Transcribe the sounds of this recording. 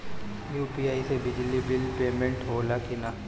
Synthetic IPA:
juːpiaːisebɪd͡ʒlibɪlpeːmẽɳʈɦoːlakina

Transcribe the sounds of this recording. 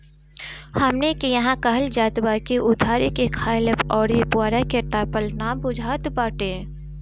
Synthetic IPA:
həmnekejɐɦãkəɦəld͡ʒaːt̪baːkeʔʊd̪ʱaːɾekekʰaːɪləpɔːɾjepʊaːɾakeʈaːpəlnaːmbʊd͡ʒʱaːt̪baːʈeː

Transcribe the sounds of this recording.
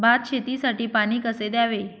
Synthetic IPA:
bat̪̚ɕʰet̪iːsaʈiːpañiːkəsed̪jaʋe

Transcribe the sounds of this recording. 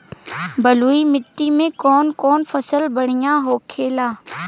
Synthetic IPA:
bəluːimɪʈːimẽkɔːnkɔːnfəsəlbəɽɪjãɦoːkʰeːlaː

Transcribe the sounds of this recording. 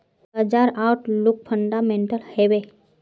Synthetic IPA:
əd͡ʒaɾawʈʰluk̚pʰəɳɖamẽɳʈəlheʋe

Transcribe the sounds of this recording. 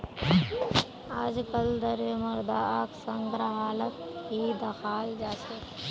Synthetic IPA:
aːd͡ʒkəld̪əɾjəmʊɾd̪aːaːksəŋɡɾaɦaːlət̪ɦid̪əxʰaːld͡ʒaːt͡ʃʰe

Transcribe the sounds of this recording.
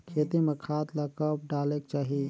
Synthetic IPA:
kʰet̪imekʰat̪ləkəp̚ɖaːlekt͡ʃaːɦi

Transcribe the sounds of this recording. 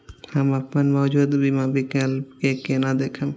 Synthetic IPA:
həməpnənmɔːd͡ʒuːd̪bʱimãbʱikelkekenad̪ekʰəm

